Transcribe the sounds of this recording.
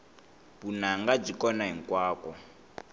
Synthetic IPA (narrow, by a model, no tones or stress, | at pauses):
bunaŋɡab͡ʐikɔnaɦiŋ̩kʼwaːkɔ